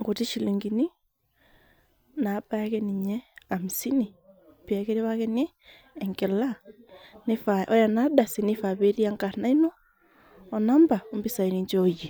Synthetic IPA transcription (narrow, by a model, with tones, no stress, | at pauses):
ŋɡo˨ti˦ʃi˨li˨ŋɡi˨ni˦ | na˨˦pakɛni˨ɲɛ˦a˨mi˨si˦ni˨ | pi˨a˨ke˦ɾe˦βa˦kɛ˦neː˦˨ | ŋɡɛ˨la˦ne˦fa˨ʔɔ˦ja˨na˦da˨si˨nifa˨βe˦ɾi˦a˦ŋka˨na˦i˦nɔː˦˨ | na˦mba˨ombi˦sa˨i˨ni˨ɲd͡ʒɔji˨